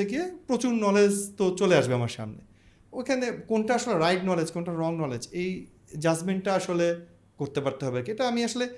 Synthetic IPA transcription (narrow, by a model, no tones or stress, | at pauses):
eɡiepɾot͡ɕuɾnɔled͡ʑt̪ot͡ɕoleaʃbeamaɾʃa̰mnḛ | ojkʰanekonʈaaʃoleɾajʈnɔled͡ʑkonʈaɾɔŋnɔled͡ʑej | d͡ʑad͡ʑmeɳʈʈaaʃole | koɾt̪epaɾt̪eɦɔbekieʈaamiaʃole